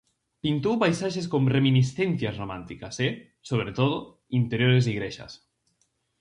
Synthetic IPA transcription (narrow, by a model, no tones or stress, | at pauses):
pint̪owpajsaʃeskõŋreminisθenθjazromãnt̪ikase | soβɾet̪oðo | int̪eɾjoɾesiɣɾeʃa̰s